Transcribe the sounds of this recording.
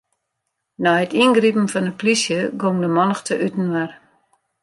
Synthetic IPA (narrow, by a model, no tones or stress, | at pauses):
nɔətinɡripn̩fɔnət̚plisjəɡomdəmɔnəxtʰəʔytn̩ʋɛr